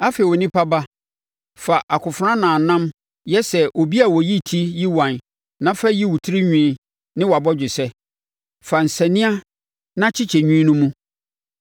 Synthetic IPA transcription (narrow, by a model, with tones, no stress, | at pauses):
a˦fe˨wɔ˨nĩ˦pʰa˦ba˦ | fa˨ʔa˨kʊ˨fʊ˨ɾã˦nãː˨nã˦m | jɛ˦sɛ˨ʔo˨bi˦a˨wɔ˨ji˦tʰi˦ji˦wã˨n | nã˦fa˦ji˦wu˨tʰɪ˦ɾi˦ɲᶣĩː˨˦ | nɪ̃˦wɔ˨a˨bɔ˦d͡ʑᶣɪ˨sɛ˦ | fa˨n̩˨sɛ̃˨nĩ˦a˦ | nã˦t͡ɕʰɪ˦t͡ɕʰɛ˨ɲᶣĩ˦nũ˦mũ˦